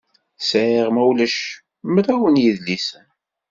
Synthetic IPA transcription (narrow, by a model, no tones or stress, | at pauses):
sæʕiʁmæwlæʃ | mɾæwənjiðlisən